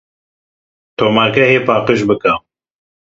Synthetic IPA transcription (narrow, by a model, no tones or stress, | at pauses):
t̪ʰoːmaɾkɛɦeːpʰɑːqəʃbɨka